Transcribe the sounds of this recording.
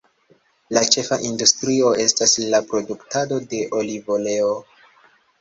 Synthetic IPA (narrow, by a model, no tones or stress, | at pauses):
lat͡ʃe̞faʔindustɾio̞e̞staslapɾo̞duktado̞de̞ʔo̞livo̞le̞o